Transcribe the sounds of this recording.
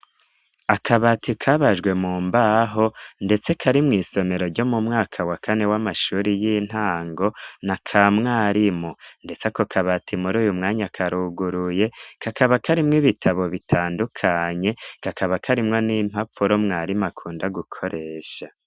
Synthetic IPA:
akʰaβatʰikʰaβaʒɡwe̞muːmbaɦo̞nde̞t͡se̞kʰaɾimŋiːso̞me̞ɾo̞ɾɟo̞mumŋaːkʰawakʰane̞wamaʃuɾijiːn̥haːŋɡo̞nakʰamŋaːɾimonde̞t͡sekokʰaβatʰimuɾuːjumŋaːɲakʰaɾuɡuɾuje̞kʰakʰaβakʰaɾimŋiβitʰaβo̞βitʰaːndukʰaɲe̞kakʰaβakʰaɾimŋo̞niːm̥hafuɾo̞mŋaːɾimakʰuːndaɡukʰo̞ɾʔe̞ːʃa

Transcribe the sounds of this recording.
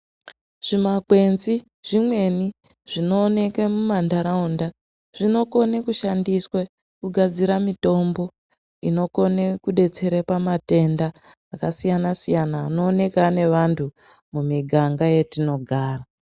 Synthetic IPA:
ʐ̥imakwe̞nzi | ʐ̥imwe̞ni | ʐ̥ino̞ːne̞kemumandaɾaunda | ʐ̥ino̞ko̞nekuʃandiswe | kuɡʱad͡ziɾamito̞mbo̞ | ino̞ko̞nekuɗe̞t͡se̞ɾepamate̞ndaː | kasijanasijanaːno̞ːne̞kane̞ʋantʰu | mumiɡʱaŋɡaje̞tino̞ɡʱaːra

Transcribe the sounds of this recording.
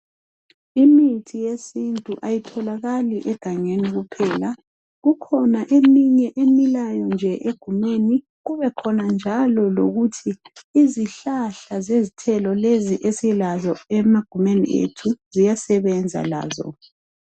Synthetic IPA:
imitʰijesintʼuʔajitʰɔlaɣaliʔɛɡ̥ʱaŋeniɣupʰɛːla | ɣukʰɔnaʔemiɲɛʔemilajɔnd͡ʒʱɛʔeɡ̥ʱumeni | ɣuβɛkʰɔnand͡ʒʱalɔlo̰ɣutʰiː | ziɬaɬazezitʰɛlɔleziʔesilazɔɛmaɡ̥ʱumenḭʔḛtʰuzijasɛβɛnd͡zʱa̰la̰ːzɔ̰

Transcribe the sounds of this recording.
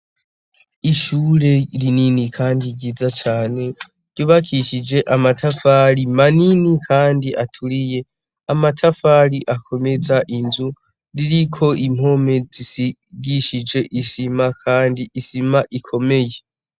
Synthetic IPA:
iʃuːɾe̞ɾininikʰaːndiɟizat͡ʃaːne̞̥ | ɟuβakʰiʃid͡ʒe̞ʔamatʰafaɾimaninikʰaːndiʔatʰuɾije̞ | amatʰafaɾiʔakʰo̞me̞zaʔinzu | ɾiɾikʰo̞ʔim̥ho̞me̞zisiɡiʃid͡ʒe̞ʔisimakʰaːndiisimaʔikʰo̞me̞je̞

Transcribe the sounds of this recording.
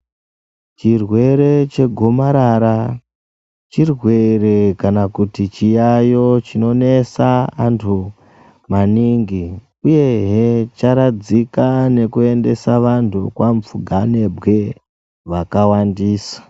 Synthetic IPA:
t͡ʃirwe̞ɾe̞t͡ʃe̞ɡʱo̞maɾaɾa | t͡ʃirwe̞re̞kanakutit͡ʃijajo̞t͡ʃino̞ne̞saantʰu | maniŋɡi | uje̞ɦet͡ʃaɾad͡zikane̞kue̞nde̞saʋantʰukwaɱfuɡʱane̞bɣe̞ | ʋakawandiːsḁ

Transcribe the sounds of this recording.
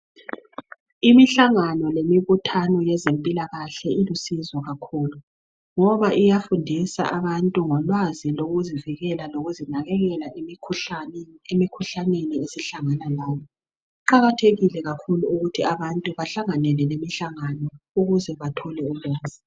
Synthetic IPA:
imiɬaŋanɔlemiβutʰanɔjɛzempʼilaɣaɬɛilusizɔɣakʰuːlu | ŋɔβaʔijafundʱisa̰ʔaβantʼuŋɔlwaziloɣuziviɣɛlaloɣuzinaɣɛɣɛlaʔmkʰ | emikʰuɬaneniesiɬaŋanalaːjɔ | ǃaɣatʰeɣilɛɣakʰuluuɣutʰiaβantʼuβaɬaŋanɛlɛlemiɬaŋanɔuɣuzɛβatʰɔlɛulwaːz̥i

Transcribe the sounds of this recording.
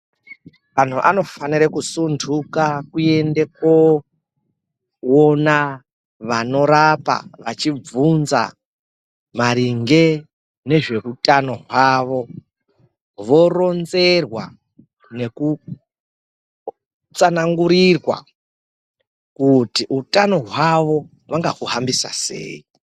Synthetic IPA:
ʋan̤uʔa̰no̞faniɾekusundʰʱukakue̞ndeko | ona | ʋano̞ɾapa̰ʋat͡ʃib͡vunza̰ | maɾiŋɡe̞ | ne̞ʐe̞rutʼano̞ɦwaːʋo̞ | ʋo̞ro̞nze̞rwa̰ | ne̞ku | t͡sanaŋɡuɾirwa̰ | kutiutano̞ɦwaʋo̞ | ʋaŋɡaɦuɦambisa̰se̞̰ːi

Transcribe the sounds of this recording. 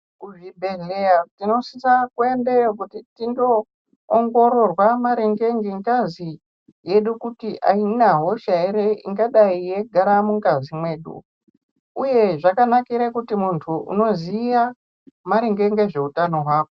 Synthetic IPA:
kuʐibʱeɮeatino̞sisakweendejokutitiŋɡo̞ː | ŋɡo̞ɾo̞rwamaɾeŋɡe̞ŋɡeŋɡazi | je̞ɗukutiʔainaɦo̞ʃaiɾeʔḭŋɡaɗaije̞ɡʱaɾamuŋɡazimwe̞ːɗṵ | uje̞ʐakanakiɾakutimuntʰuṵno̞ziʋa | maɾeŋɡe̞ŋɡeʐe̞utano̞ɦwaːko

